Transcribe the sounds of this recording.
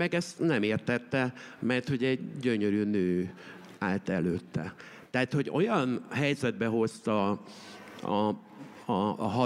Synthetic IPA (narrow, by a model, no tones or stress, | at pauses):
ɛɡɛst̪nɛmeːrt̪ɛt̪ːɛ | mɛrt̪ho̞ɟɛɟːøɲøɾyːnøː | aːlt̪ɛløːt̪ːɛ̰ | t̪ɛɦat̪ho̞ɟo̞̰jɒnɦɛjzɛd̪̚bɛɦo̞st̪ɒ | ɒ | ɒːɦɒ